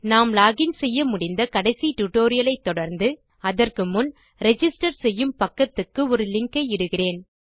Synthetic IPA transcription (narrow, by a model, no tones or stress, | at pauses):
naːmlaːɣɪnsɛjːɐmʊɽɪnd̪ɐkɐɽɐɪsiʈʊʈːoːɾɪjɐlɐɪt̪ːɔɽɐɾnd̪ɯ | ɐðɐrkɯmʊn | ɾɛd͡ʒɪsʈɐɾsɛjːɯmpɐkːɐt̪ːɯkːɯɔɾɯlɪŋkɐɪɪɽɯɣɪreːn